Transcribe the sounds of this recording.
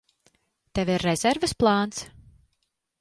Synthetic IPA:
t̪ɛvʲiɾːɛzɛɾvɨsplˠaːnt̪s

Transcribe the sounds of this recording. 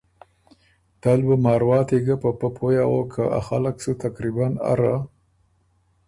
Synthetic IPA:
t̪albəmɑɾwɑːt̪eɡapəpəpʰojawokʰaʔa̰xalaksut̪akɾibana̰ɾa

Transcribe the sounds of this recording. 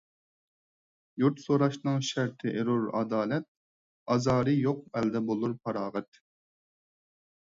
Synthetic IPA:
juɾt̪soɾɑʃnɨŋʃæɾt̪ʰɪʔɪɾuɾɑ̰d̪ɑːlɛt̪̚ | ɑzɑːɾɨjoq̚ɛld̪ɛbolˠuɾpʰɑɾɑːʁɛt̪

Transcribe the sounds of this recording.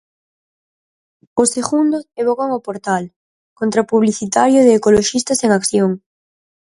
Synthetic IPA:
oseɣund̪oeβ̞okaŋopoɾt̪al | kont̪ɾapuβliθit̪aɾjʊðeːkoloʃist̪aseŋakθjoŋ

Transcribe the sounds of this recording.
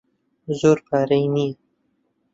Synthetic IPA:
zoɾpaɾajni

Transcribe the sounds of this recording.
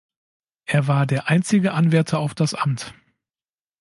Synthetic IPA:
ʔeːɐvaːɐdeːɐʔaɪnt͡sɪɡəʔanvɛɐtʰɐaʊfd̥asʔa̰mt

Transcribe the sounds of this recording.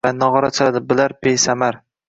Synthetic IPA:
anɒʁɒɾat͡ʃʰaad̪ɪbɪlaɾpejsamaɾ

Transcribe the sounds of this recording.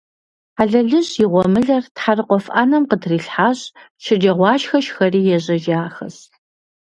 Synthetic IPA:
aɮɐɮɨɕjɪʁʷɔmɨɮɐrtħarɨqʷɔfʔanɐmqədʰriːɬħaːɕ | ʃɪd͡ʒɐʁʷɑːʃxɐʃxɐriːjɛʑɐʒaːxɐ̰s

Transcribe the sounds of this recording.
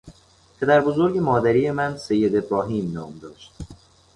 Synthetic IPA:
pʰe̞d̪æɾbo̞zoɾɟe̞mɒːd̪æɾiːje̞mænse̞jːe̞d̪e̞bɾɒːɦiːmnɒːmd̪ɒːʃt̪̚

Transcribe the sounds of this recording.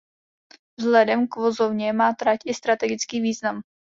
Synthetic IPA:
vzlɛdɛmkvo̞zovɲɛmaːt̪ɾacʔɪst̪ɾat̪ɛɡɪt͡skiːviːznam

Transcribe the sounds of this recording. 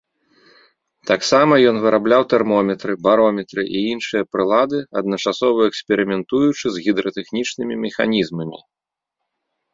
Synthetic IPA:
t̪aksamɐjɔnvɨɾʔablʲawt̪ɛrmɔmʲɛt̪ɾɨbaɾɔmʲɛt̪ɾɨʔiinʂɨjɐpɾɨlˠad̪ɨɐd̪nɐt͡ʂasɔvɐɛksʲpʲɛɾɨmʲɛnt̪ujut͡ʂɨzɣʲid̪ɾɐt̪ɛxnʲit͡ʂnɨmʲimʲɛxa̰nʲizmɐmʲḭ

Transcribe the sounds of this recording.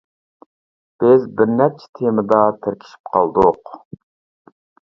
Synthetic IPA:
b̥ɪzbɪɾnɛp̚t͡ʃʰɛ̥t̪ʰemɨd̪ɑt̪ʰɪɾkʲʰi̥ʃi̥p̚qʰɑ̰lˠd̪ʊq

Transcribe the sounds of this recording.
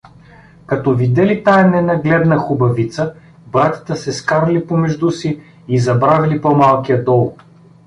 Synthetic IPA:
kɐt̪ɔvid̪ɛlit̪ajɛnɛnɐɡlɛd̪nəxʊbɐvit̪sə | bɾat̪ə̥t̪əsɛskaɾlipomɛʒd̪usiː | zɐbɾavʲilipɔmalˠkijəd̪ɔlˠ

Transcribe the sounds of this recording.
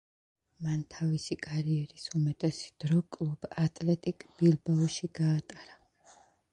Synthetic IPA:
mant̪ʰavisikʼaɾiɛɾisumɛt̪ʼɛsd̪̥ɾɔkʼlˠubat̪ʼlɛt̪ʼikʼb̥ilˠbaɔʃiɡaːt̪ʼaɾa

